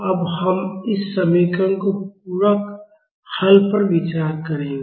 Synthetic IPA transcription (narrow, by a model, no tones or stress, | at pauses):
ɐbhɐmɪsːɐmiːkənkopuːɾək | hɐlpəɾʋɪt͡ʃaːɾkɐɾẽːŋɡe